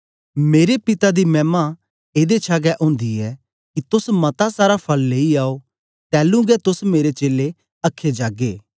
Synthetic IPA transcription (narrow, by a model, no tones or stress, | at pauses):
meːɾepɪt̪ad̪imɛːma | eːd̪et͡ʃʰaːɡɛʔʊ̃ːnd̪iɛ | kit̪ʊsmɐt̪asaːɾapʰɐlːeːiaːo | t̪ɛːlũɡɛt̪ʊsmeːɾet͡ʃeːle | ɐkʰːed͡ʒaːɡeː